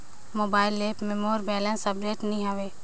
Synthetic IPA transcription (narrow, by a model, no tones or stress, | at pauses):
moːbaːɪlːeːpmemoːɾbɛːlə̃nsəbɾeːʈnɐɦĩɦaʋeː